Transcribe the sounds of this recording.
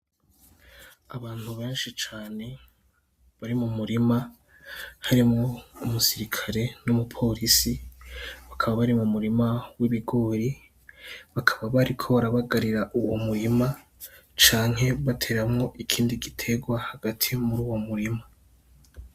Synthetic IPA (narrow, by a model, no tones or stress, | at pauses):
aβaːn̥huβe̞ːnʃit͡ʃaːne̞ | βaɾimumuɾima | haɾimŋoumusiɾikʰaɾe̞numupʰo̞ɾisi | βakʰaβaβaɾimumuɾimawiβiɡo̞ːɾi | βakʰḁβaβaɾikʰo̞βaɾaβaɡaɾiɾaʔuwomuɾima | t͡ʃaːŋhe̞βatʰe̞ːɾamŋo̞ʔikʰiːndiɡitʰe̞ɡwahaɡatʰimuɾuːwo̞muɾima